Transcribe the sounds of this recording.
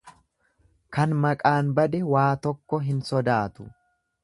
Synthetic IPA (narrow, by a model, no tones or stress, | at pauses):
kɐnmɐkʼaːnbɐd̪ɛwaːt̪ɔkːɔɦɪnsɔd̪aːt̪ʊ̰